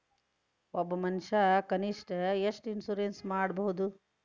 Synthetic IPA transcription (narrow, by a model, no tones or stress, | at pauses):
ɔbːɐmɐnʂɐkɐniʂʈɐeʂʈinsuɾensmaːɽbɐɦud̪u